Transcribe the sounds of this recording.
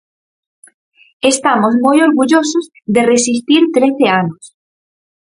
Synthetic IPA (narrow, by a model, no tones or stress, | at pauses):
est̪amozmojoɾɣuʎosoz | ðeresist̪iɾt̪ɾeθeanos